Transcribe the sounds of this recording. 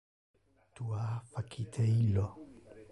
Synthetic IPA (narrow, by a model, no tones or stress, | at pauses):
tuafakʰit̪ʰeilo